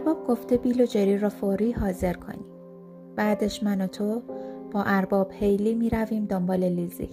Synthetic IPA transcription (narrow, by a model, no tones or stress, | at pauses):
æɾbɒːb̚ɡo̞ft̪ebiːlod͡ʒeɾiːɾɒːfoɾiːhɒːze̞ɾkʰo̞̰ni | b̥æːd̪eʃmænot̪ʰob̥ɒːʔæɾbɒːb̥hejliːmiːɾæviːmd̪ombɒːlelizḭ